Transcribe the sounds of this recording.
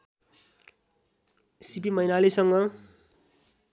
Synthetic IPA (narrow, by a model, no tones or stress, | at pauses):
sipimʌinalisʌŋɡʌ